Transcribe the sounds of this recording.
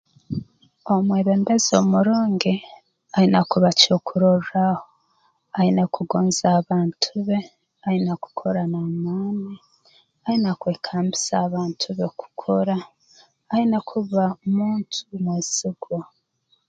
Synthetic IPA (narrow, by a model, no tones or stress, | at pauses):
omweːβe̞ːmbezomuɾoːŋɡe | ahinakuβacokʰuɾoɾɾaho | ahinakuɡoːnzaːβaːntʰuβe | ainaku̥kʰoɾanamaːni | ahinakweːkʰaːmbisaːβaːntʰuβeku̥kʰoɾaː | inakʰuβamuːntʰumweːziɡwa